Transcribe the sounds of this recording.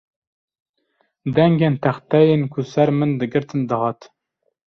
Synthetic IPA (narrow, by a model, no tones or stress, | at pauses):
d̪ɛŋɡʲent̪ʰæχt̪ɛjenkʰusæɾmɨnd̪ɨɡɨɾt̪ʰɨnd̪ɨhɑːt̪